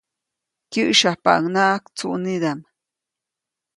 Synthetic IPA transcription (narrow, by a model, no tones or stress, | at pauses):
kiʔʃapa̰ʔŋnaːkt͡sṵʔnid̪am